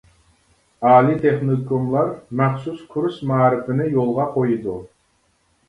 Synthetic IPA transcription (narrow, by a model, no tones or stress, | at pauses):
ɑːlit̪ʰeχnokomlˠɑɾmæχsuskʰuɾsmɑːɾɨfɪnɪjolˠʁɑqʰojud̪u